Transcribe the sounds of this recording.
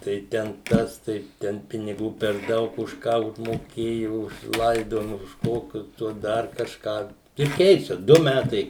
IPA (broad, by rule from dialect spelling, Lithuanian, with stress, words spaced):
tɐɪ ˈtʲɛn ˈtɐs tɐɪ ˈtʲɛn pʲɪnʲɪˈɡuː pʲɛr ˈdɐʊk ʊʃ ˈkɑː ʊʒmoːˈkʲeːjoː ʊʃ ˈlˠɐɪdoːjɪmɐ ʊʃ ˈkoːkʲʊs ˈtuɔs ˈdɐr kɐʃˈkɑː ɪr ˈkʲɛɪt͡ʃʲɛ ˈdʊ ˈmʲætɐɪ